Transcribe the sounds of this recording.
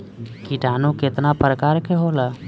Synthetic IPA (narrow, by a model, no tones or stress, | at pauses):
kiʈaːnõkɪt̪napɾəkaːɾkeɦoːlaː